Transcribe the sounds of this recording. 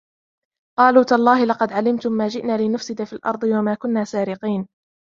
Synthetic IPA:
qɑːluːt̪aʔlˤːɑːhɪlɑqɑd̪ʕalɪmt̪ʊmːaːʒɪʔnaːlɪnʊfsɪd̪afiːlʔɑ̰ɾˤd̪ˤɨwamaːkʊnːaːsaːɾɪqiːn

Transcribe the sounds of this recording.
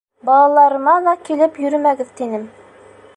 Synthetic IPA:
bɑlˠɑlˠɑɾɤ̆mɑlˠɑkilɘpjɵ̆ɾɘmæɡɘðt̪inɘm

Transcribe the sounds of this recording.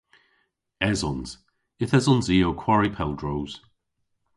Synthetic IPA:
ɛzɔnz̥ | ɪθɛzɔ̃nziːowkʰw̥aɹipʰɛlˠdɹowz̥

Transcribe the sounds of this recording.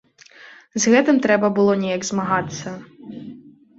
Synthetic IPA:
zɣɛt̪ɪmt̪ɾɛbɐbʊlˠɔnʲijɐɡzmɐɦɑt̪ɪsʲɐ

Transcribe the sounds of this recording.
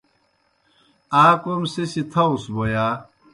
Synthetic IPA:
aːkomsesit̪ʰɐwsbojaː

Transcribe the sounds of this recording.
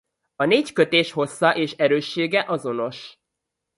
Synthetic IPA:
ɒneːckø̞t̪eːʃho̞sːɒʔeːʃɛɾøːʃːeːɡɛʔɒzo̞no̞ʃ

